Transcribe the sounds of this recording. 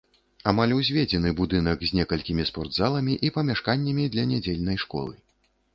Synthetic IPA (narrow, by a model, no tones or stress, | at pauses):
amalʲuzʲvʲed͡zʲɛnɨbud̪ɨnɐkzʲnʲɛkɐlʲkʲimʲispɔrd̪zalˠɐmʲiʔipɐmʲaʂkanʲːɐmʲid̪lʲɐnʲad͡zʲelʲnɐjʂkɔ̰lˠɨ